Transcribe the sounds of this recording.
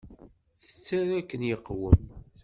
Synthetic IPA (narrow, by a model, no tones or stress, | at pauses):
θət͡sːaɾækːənjəqːwəm